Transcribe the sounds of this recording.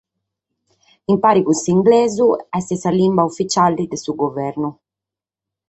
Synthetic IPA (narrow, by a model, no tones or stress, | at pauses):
impaːɾikusiŋɡlɛːzuɛst̪isalimbaufːit͡ʃalːid̪esuɡovɛɾnu